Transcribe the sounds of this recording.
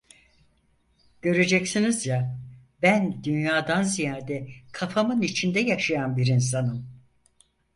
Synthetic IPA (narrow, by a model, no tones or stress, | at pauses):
ɟ̥ø̞ɾed͡ʒɛcsinizja | bænd̪ynjaːd̪anzijaːd̪ɛkʰafamɯnit͡ʃʰind̪ɛjaʃajanbiɾins̬anɯm